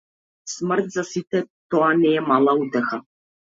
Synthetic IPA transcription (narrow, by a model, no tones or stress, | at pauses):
smərt̪zasit̪ɛt̪ɔanɛɛmalˠaut̪ɛxa